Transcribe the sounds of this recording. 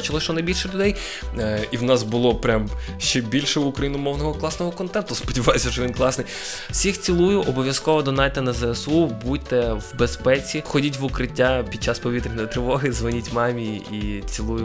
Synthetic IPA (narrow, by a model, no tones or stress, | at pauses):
t͡ʃɪlˠɔʃt͡ʃɔnɐjbʲilʲʃɛlʲʊd̪ɛj | iwnɑsbʊlˠɔpɾʲam | ʃt͡ʃɛbʲilʲʃɛʊkɾɐjinʊmɔwnɔɦɔklˠɑsnɔɦɔkɔnt̪ɛnt̪ʊspɔdʲiʋɑjesʲɐʃɔʋʲinklˠɑsnɪj | wsʲixt͡sʲilˠujʊʔɔbɔʋʲjɐskɔʋɔd̪ɔnɑjt̪enɐzɛɛsubutʲt̪ɛwbespɛt͡sʲixɔdʲitʲʋʊkɾɪtʲːapʲid̪̚t͡ʃɑspɔʋʲit̪ɾʲɪnɔjɔt̪ɾɪʋɔɦɪzʋɔnʲitʲmɑmʲiit͡sʲilˠujʊ